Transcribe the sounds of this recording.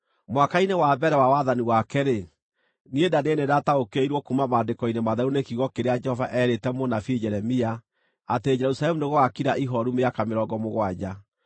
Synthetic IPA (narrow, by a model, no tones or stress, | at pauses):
mwakainewabɛɾɛwawaðaniwakɛɾe | niedanenedataokeiɾwɔkumamaːndekɔinemaðaɾunekiɣɔkeɾead͡ʒɛhɔvaʔɛɾetɛmonafed͡ʒɛɾɛmia | ated͡ʒɛɾusalɛmuneɣoakiɾaʔiɦɔɾumeakameɾɔɡɔmoɣwad͡ʑa